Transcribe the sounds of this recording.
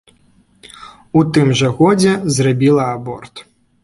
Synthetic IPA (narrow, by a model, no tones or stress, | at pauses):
ut̪ɨmʐɐɣɔd͡zʲɛzrabʲilˠɐabɔ̰rt̪